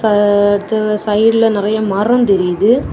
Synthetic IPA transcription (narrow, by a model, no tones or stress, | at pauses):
ɐɐɽɯt̪ːɐsɐɪɽɪlɐnɪɾɐjɐmɐːɾɐmt̪ɛɾɪjɐðɯ